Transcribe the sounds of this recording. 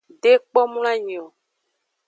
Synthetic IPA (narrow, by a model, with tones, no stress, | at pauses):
ɖe˦k͡pɔ˦mũ˦la˦ɲĩ˨ɔ̃˨